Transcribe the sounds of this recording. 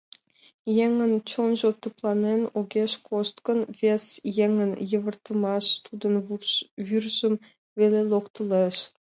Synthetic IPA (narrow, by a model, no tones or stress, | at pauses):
jeŋɘ̆nt͡ɕʰonʒot̪ːɤ̆plˠɑnenoɡʲeʃkʰost̪kə̆nvʲesjeŋɘ̆njɤ̆vɤ̆rt̪ɤ̆mɑʃt̪ud̪ɤ̆nvʲyrʒə̆m | vʲelʲelʲˠokt̪ɤ̆lˠeʃ